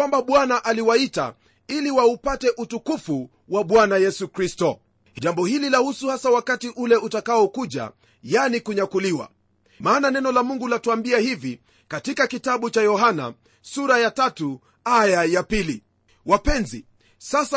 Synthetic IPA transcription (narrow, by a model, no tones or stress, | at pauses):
wambaɓwanaʔaliwaita̰ | iliwaupatɛʔutukufu | waɓwanajɛsukɾistɔ | ʄambɔhililahusuhasawakatiʔulɛʔutakaɔkuʄa̰ | janikuɲakuliwa̰ | maːnanɛnɔlamuŋɡulatuambiahivi | katikakitaɓut͡ʃajɔɦana̰ | suɾajatatu | ajajapili | wapɛnzḭ | sasa